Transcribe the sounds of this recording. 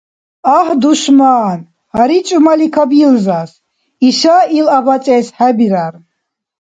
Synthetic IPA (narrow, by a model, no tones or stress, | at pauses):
ahd̪uʃmaːn | haɾit͡ʃʼumalikʰabilzas | iʃailabat͡sʼɛːsħabiɾar